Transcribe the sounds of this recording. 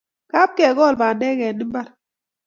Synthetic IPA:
ka˦p̚kɛ˨ɡɔ˦˨lba˨ndɛ˦kɛ˨ni˦mba˦ɾ

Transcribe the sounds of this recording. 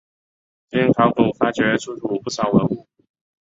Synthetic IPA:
t͡ɕi˥ŋk̪ʰɑ˧˥ŋku˨˩fa˥t͡ɕɥɛ˧˥t͡sʰu˥˩ʈ͡ʂu˨˩pu˥˩ʂɑ˨˩ʊwə˧˥nu˥˩

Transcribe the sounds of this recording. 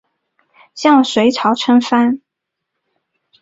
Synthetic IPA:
ɕjɑ˥˩ŋʂwe˨˧˥ɪʈ͡ʂʰɑ˧˥ʊʈ͡ʂʰə˥nfa˥n

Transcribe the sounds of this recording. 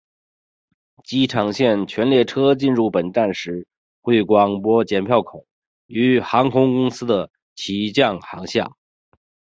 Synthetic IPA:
t͡ɕi˧˥ʈ͡ʂʰɑ˨˩ŋɕjɛ˥˩nt͡ɕʰɥɛ˧˥nljɛ˥˩ʈ͡ʂʰɤ˥t͡ɕi˥˧nɻu˥˩pə˨˩nt̪a˥˩nʂɻ̩˧˥ | xwe˥˩ɪkwɑ˨˥˩ŋpwɔ˥t͡ɕjɛ˧˥npʰjɑ˥˩ʊkʰʊ˨˩˦ŋ | y˧˥xɑ˧˥ŋkʰʊ˧˥ŋkʊ˥ŋsɹ̩˥d̪ə˨ | t͡ɕʰi˧˥t͡ɕjɑ˥˩ŋxɑ˧˥ŋɕjɑ̰˥˩

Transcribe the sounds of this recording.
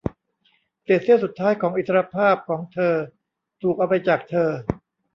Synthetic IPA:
si˨˩t̪̚si˥˩əwsu˨˩t̪ʰːaː˦˥jkʰɔː˩˦ŋʔi˨˩a˧ɾa˧pʰaː˥˩p̚kʰɔː˩˦ŋt̪ʰɤː˧ | t̪ʰuː˨˩k̚a˧wpa˧jt͡ɕaː˨˩k̚t̪ʰɤː˧

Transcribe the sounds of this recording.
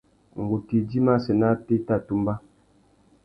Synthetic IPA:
ŋ˨ɡo˨ki˨di˦ma˦sə˨na˦te˦ta˦˨tu˦mba˦

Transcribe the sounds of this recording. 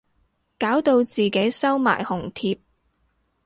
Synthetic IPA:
kaː˨˥wt̪o˧wt͡siː˨ke˨˥jsɐ˥wma̰ː˨˩jhʊ˨˩ŋt̪ʰiː˧p̚

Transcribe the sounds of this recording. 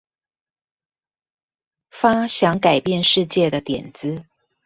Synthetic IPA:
fa˥ɕjɑ˧˦ŋka˨˩ɪpjɛ˥˨˧nʂɻ̩˥˧t͡ɕjɛ˥˨d̪ə˩t̪jɛ̰˨˩nt͡sɹ̩˦

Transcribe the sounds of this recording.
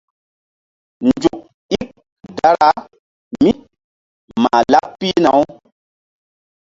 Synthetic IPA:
nd͡ʒu˨k̚ | i˦k | da˦ɾa˦ | mi˦ | ma˨la˦ppːi˦na˨˦w

